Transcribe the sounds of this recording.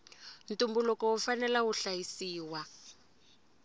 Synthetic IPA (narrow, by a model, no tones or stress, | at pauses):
n̩tʼumbulɔkɔufanɛlawuɬajisiːwa